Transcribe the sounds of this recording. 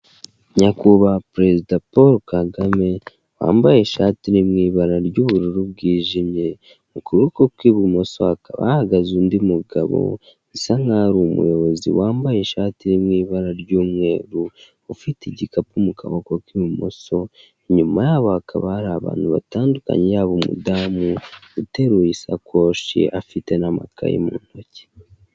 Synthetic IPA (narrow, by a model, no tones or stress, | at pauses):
ɲakuβapɾe̞zidapoɾkaɡame̞ | wa̰ːmbaje̞ʃaːtiɾimŋiːβaɾaɾɟuːβuɾiɾuβ̚ɡiːʒimɲe̞ | mukuɾukokwiβimo̞so̞akaβa̰haɡazundimuɡa̰βo̰ | saŋaɾumṵjo̞βozḭwaːmbaje̞ʃaːtiɾimŋiːβaɾaɾɟuːmŋwe̞ːɾuː | fitiɟikapumukʰaβokokwiβumo̞̰so̞ | eɲumajaːβohakʰaβahaɾaːβa̰ːn̥huβa̰taːnduka̰ɲejaβomṵdaːmuute̞ɾuisa̰koːʃḛʔafite̞nama̰kʰa̰jḛmṵːn̥ho̞ce̥